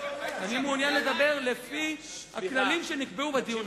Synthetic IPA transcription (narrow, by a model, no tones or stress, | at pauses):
vanimunjanle̞d̪abe̞ʁlefi | ha̰kklalimʃe̞nikbeubed̪iun